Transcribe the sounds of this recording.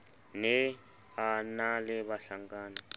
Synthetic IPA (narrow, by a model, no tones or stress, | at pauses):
nɛ | analɛβaɬaŋɡaːna